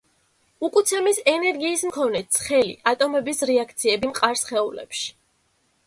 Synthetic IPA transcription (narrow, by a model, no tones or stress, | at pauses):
ukʼut̪sʰɛmisɛnɛɾɡiːsmkʰɔnɛt̪sʰχɛlḭʔat̪ʼɔmɛbisɾiakʰt̪sʰiɛbimqʼaɾsχɛulɛ̰pʃi̥